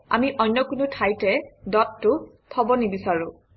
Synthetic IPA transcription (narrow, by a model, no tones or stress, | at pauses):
a̰miʔɔjnːɔkunutʰajtɛdɔtːʊ | tʰɔbɔnibisaɹu